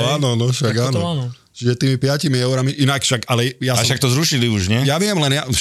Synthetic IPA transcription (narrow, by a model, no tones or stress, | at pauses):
aːnɔnɔʃaɡaːnɔ | t͡ʃiʒɛt̪iːmipɪacimiɛʊɾamiʔinakfʃaɡalɛjasaʃʃak̚t̪ɔzɾuʃiliuʒɲɛjaʋɪɛmlɛnja